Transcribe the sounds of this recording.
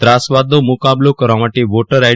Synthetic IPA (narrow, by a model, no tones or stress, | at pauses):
t̪ɾaːsʋaːd̪omukaːblukɐɾɔmɐʈiʋoːʈɐɾɐ